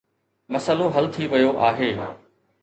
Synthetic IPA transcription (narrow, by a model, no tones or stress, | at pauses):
mɐsəloɦɐlt̪ʰiʋɐjoʔaːɦeː